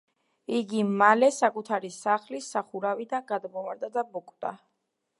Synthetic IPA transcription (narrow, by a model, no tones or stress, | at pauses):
iɡimalɛsakʼut̪ʰaɾisaχlisaχuɾavid̪anɡad̪mɔvaɾd̪ad̪abɔkʼt̪ʼa̰